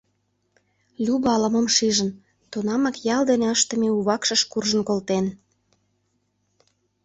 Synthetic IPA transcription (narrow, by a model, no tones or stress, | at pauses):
lʲuβɑlə̆mə̆mʃiʒən | t̪onɑmɑkjɑld̪eneəʃt̪ə̆meuβɑkʃə̆ʃkurʒə̆nkolt̪en